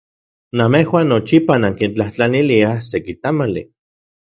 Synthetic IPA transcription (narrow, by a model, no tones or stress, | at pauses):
namehwaːnːot͡ʃipanaŋkint͡ɬaht͡ɬaniliasekit̪amalḭ